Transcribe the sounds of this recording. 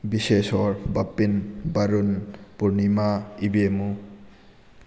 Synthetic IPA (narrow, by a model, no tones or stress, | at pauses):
bisesɔɾbapːinbaɾunpuɾnimaibemu